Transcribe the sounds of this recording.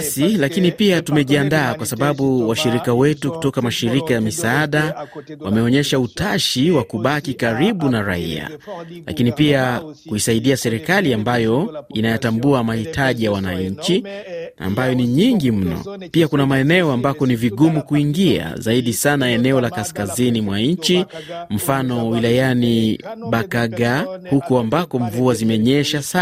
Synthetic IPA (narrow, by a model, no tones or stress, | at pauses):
silakinipiatumɛʄiandaːkwasaɓaɓuwaʃiɾikawɛtuku̥tɔkamaʃiɾikajamisaaɗawamɛɔɲɛʃautaʃiwakuɓakikaɾiɓunaɾa̰ḭa̰la̰kinipiakuisaiɗiasɛɾɛkaliambajɔinajatambuamahitʰaʄijawanaɲt͡ʃia̰mbajɔniɲiŋɡim̩nɔ̰piakunamaɛnɛɔambakɔniviɠumukuiŋɡia̰zaiɗisanaɛnɛɔlakaskazinimwaɲ̩t͡ʃim̩fanɔwilajaniɓakaɠahukuambakɔɱvuazimɛɲɛʃasa